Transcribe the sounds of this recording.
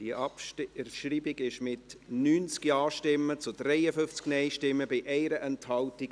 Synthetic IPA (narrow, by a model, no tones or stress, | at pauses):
d̥iʔpʃriːbɪɡɪʃmɪtnyːnt͡skiɑːʃtɪmːət͡sʊdɾɛɪəfʏft͡sknɛɪʃtɪmːəbɪʔɛɪɾəʔɛnthɑltɪɡ